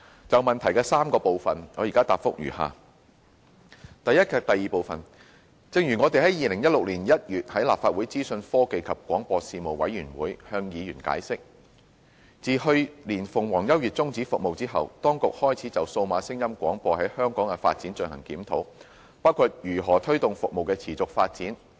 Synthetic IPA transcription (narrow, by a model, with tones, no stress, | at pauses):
t͡sɐ˨wmɐ˨nt̪ʰɐ˨˩jkɛː˧saː˥mkɔː˧po˨wfɐ˨nŋɔː˨˧jiː˨kaː˥t̪aː˨p̚fʊ˥k̚jyː˨˩ha̰ː˨ | t̪ɐ˨jɐ˥t̚kʰɛː˧k̚t̪ɐ˨jːiː˨˩po˨wfɐ˨n | t͡sɪ˧ŋjyː˨˩ŋɔ˨˧t̪e˨jɦɐ˨˥jiː˨lɪ˨˩ŋjɐ˥t̚lʊ˨k̚liː˨˩njɐ˥t̚jyː˨t̚hɐ˨˥jlaː˨pfaː˧t̚wuː˨˥jt͡siː˥sɵ˧nfɔː˥ke˧jkʰɐ˨p̚kʷɔ̰ː˨˥ŋpɔː˧siː˧mo˨˩wwɐ˨˥jyː˨˩nwuː˨˥jhœː˧ŋjiː˨˧jyː˨˩nka̰ː˨˥jsɪ˥k̚ | t͡siː˨hɵ˧ɥliː˨˩nfʊ˨˩ŋwɔː˨˩ŋjɐ˥wjyː˨t̚t͡sʊ˥ŋt͡siː˨˥fʊ˨k̚mo˨wt͡siː˥ɦɐ˨wt̪ɔː˥ŋkʊ˨k̚hɔː˥jt͡sʰiː˨˥t͡sɐ˨wso˧wmaː˨˥sɪ˥ŋjɐ˥mkʷɔː˨˥ŋpɔː˧hɐ˨˥jhœː˥ŋkɔː˨˥ŋkɛ˧fa̰ː˧t̚t͡si˨˥nt͡ʃɵ˧nhɐ̰˨˩ŋkiː˨˥mt̪ʰo̰˨˥w | paː˥wkʰuː˧t̚jyː˨˩ɦɔː˨˩t̪ʰɵ˥ɥt̪ʊ˨ŋfʊ˨k̚mo˨wkɛː˧t͡sʰiː˨˩t͡sʊ˨k̚faː˧t̚t͡siː˨˥n